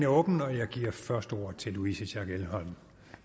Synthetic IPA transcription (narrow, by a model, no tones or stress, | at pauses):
næɔ̽ːb̥n̩ɒ̽jɑ̈ɪɡ̥iːɐfɶɐsd̥əo̝ːɐ̰t͡sʰe̝lːuisəɕæɡ̥elɦɒ̽n̰